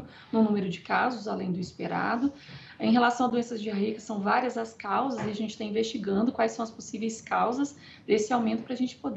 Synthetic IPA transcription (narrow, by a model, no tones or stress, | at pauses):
nʊ̃nũmeɾʊd͡ʒɪkazʊzalẽj̃d̪ʊispeɾa̰d̪ʊ | ẽj̃ɦelasɐ̃w̃ɐd̪uẽsɐzd͡ʒɪaɦikɐsɐ̃w̃vaɾiɐzɐskawzɐziaʒẽnt͡ʃɪ̥t̪aĩvest͡ʃiɡɐ̃nd̪ʊkwajsːɐ̃w̃ɐsposivejskawzɐs | esɪawmẽnt̪ʊpɾɐaʒẽnt͡ʃɪ̥pod̪